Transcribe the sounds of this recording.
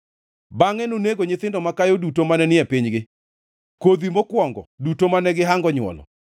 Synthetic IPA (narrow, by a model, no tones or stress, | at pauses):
baŋɛnoneɡoɲɪt̪ɪndɔmakajodutomanɛnɪɛpiɲɡɪ | kod̪imokwɔŋɡɔdutomanɛɡɪɦaŋɡɔɲwɔ̰lɔ̰